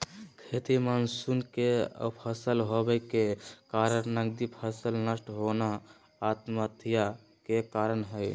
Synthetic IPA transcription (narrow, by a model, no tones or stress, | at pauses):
kʰet̪imansunkeə̰pʰəsəlɦobəkekaɾəɾnəɡd̪ipʰəsəlnəsʈɦonaː | t̪mət̪ʰija | kekaɾənɦəj